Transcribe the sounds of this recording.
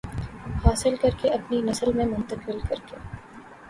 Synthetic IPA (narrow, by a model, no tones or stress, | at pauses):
haːsɪlkɐɾkeʔɐpninɐsəlmẽmʊ̃nt̪əqɪlkɐɾkeː